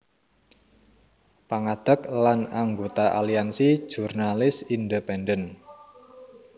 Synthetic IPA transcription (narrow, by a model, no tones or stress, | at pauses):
paŋad̪̥ə̤klanaŋɡot̪aʔa̰liansi̥ʒ̥urnalɪsindəpɛndən